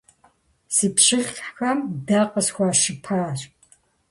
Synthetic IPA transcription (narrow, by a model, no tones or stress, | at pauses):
siːpɕɪɮʲħxɐmdaːqʼəsxʷaːʃɪpʰaːɕ